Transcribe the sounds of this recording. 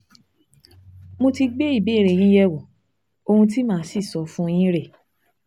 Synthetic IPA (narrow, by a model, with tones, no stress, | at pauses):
mo˧ti˧ɡ͡be˦i˦˨bi˨˦e˦˨ɾe˨j̃ĩ˨˦jɛ˦˨wõ˨ | o˧hũ˧t̬i˦mãː˦si˦˨sɔ˨˦fũ˦˧j̃ĩ˦ɾe˦˨